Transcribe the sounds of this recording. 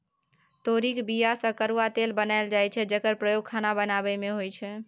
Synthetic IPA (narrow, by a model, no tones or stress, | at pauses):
t̪oɾikbijasə̃kəɾuat̪elbənaeld͡ʒajt͡ʃʰɛd͡ʒəkəɾpɾəjoɡ̚kʰanabənabəmeɦojt͡ʃʰɛ